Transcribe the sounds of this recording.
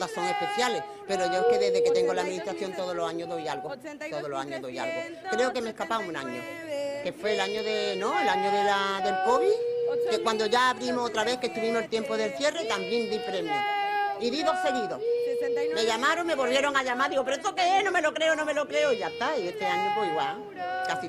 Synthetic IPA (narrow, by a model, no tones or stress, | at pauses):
ðaso̞ŋe̞hpe̞θjale̞h | pe̞ɾo̞ʝoeke̞ðe̞ɦðe̞ke̞t̪e̞ŋɡo̞laðminiht̪ɾaθjo̞nt̪o̞ðolosaɲoðo̞jalɣot̪oðolosaɲoɦðoja̰lɣo | kɾe̞oke̞mehkapaŋuna̰ɲo̰ | ke̞fwe̞laɲoðenõelaɲoðelaðe̞lpo̞βike̞kwand̪o̞ʝaːβɾimohot̪ɾaβe̞hkest̪uβimohelt̪je̞mpoðe̞lθje̞ret̪ambje̞nd̪ipɾe̞mjoiðiðo̞θe̞ɣiðohme̞ʝamaɾoŋme̞βo̞lβje̞ɾo̞ŋaʎamaɾðiɣopeɾoet̪okeenome̞lokɾe̞onome̞lokɾe̞oiʝat̪aie̞t̪e̞aɲopweiɣwa | kasi